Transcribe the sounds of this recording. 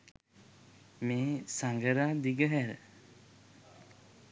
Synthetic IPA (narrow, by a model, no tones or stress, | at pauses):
meːsaŋɡəɾad̪iɡəɦæɾə̰